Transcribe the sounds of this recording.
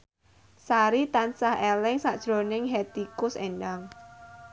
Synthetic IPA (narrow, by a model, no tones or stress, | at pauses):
saɾit̪ansahelɪŋsaʔd̥ʒ̥ɾo̤nɪŋɦɛt̪ikʊsendaŋ